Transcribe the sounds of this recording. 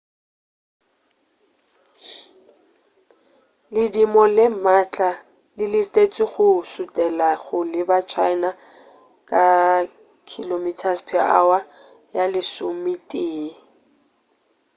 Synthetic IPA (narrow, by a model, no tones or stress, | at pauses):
lɪdimɔlɪmat͡ɬʼa | lɪlɪtʼet͡sʼɪɣʊsʊtʼɛlaɣʊlɪbat͡ʃʰaɪna | kʼa | kʰilomitʰaspʰɛa̰wa | jalɪsʊmitʼeː